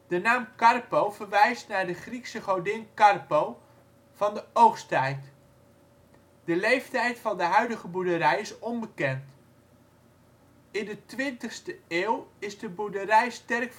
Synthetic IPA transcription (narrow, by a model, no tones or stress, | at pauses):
d̥ənaːmkɑrpowvəɹʋɛjstnaːɹdəχriksəχɔɹdɪnkɑrpow | v̥ɑndəowχstɛjt | d̥əlejftɛjtfɑndəɦœɥdəχəbuɹdəɾɛjɪsɔnbəkɛnt | ɪndətʋɪntəχstəɪːwɪzdəbuɹdərɛjstɛrkf